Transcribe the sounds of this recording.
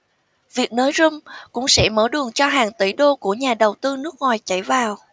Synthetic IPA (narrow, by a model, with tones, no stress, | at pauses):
vi˨˩ək̚nəː˨˦jzʊ˧ŋ͡mkʊ̰˧˥ŋ͡msɛ̰˧˥məː˧˩ɗɨ˨˩əŋt͡ɕɔ˧ɦaː˨˩ŋt̪i˧˩ɗo˧ku˧˩əɲaː˨˩ɗə˨˩wt̪ɨ˧nɨ˦˥ək̚ŋwaː˨˩jt͡ɕa˧˩jvaː˨˩w